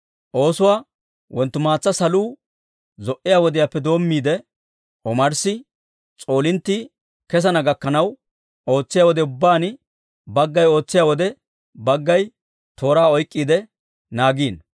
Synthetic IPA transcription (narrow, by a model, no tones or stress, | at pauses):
ʔo̞ːsʊwaː | wɔnt̪ːʊmaːt͡sːɐsɐluː | zɔʔɪjaːwɔd̪ɪjapːɛd̪o̞ːmːiːd̪ɛ | ʔɔmɐɾsɪ | t͡sʼo̞ːlɪnt̪ːiː | kɛs̬ɐnɐɡɐkːɐnɐw | o̞ːt͡sːɪjaːwɔd̪ɛʊbːaːn | bɐɡːɐjo̞ːt͡sːɪjaːwɔd̪ɛ | bɐɡːɐj | t̪o̞ːɾaːɔjkʼːiːd̪ɛ | naːɡiːn